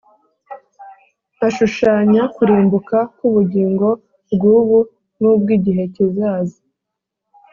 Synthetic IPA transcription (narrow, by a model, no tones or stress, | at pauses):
aʃuʃaːɲakuɾiːmbukakuβuɟiːŋɡo̞ | bɡuːβu | nub̚ɡiːɟiɦe̞cizaːzi